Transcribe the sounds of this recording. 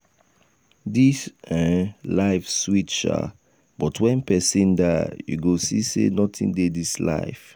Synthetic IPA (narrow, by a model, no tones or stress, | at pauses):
disɛ̃laɪfswit͡ʃa̰ | bɔtʰwɛ̃npɛsĩndajṵɡosisḛnɔtʰḭ̃ndedisla̰ɪf